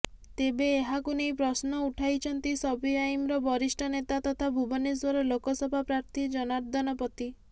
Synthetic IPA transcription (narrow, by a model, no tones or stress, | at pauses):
t̪ebeːɦakunejpɾɔsnɔuʈʰajt͡ʃʰɔnt̪isɔbiajmɾɔbɔɾisʈʰɔnet̪at̪ɔt̪ʰabʱubɔnis̬wɔɾɔlokɔsɔbʱapɾaɾt̪ʰid͡ʒɔnaɾd̪ʱɔnɔpɔt̪i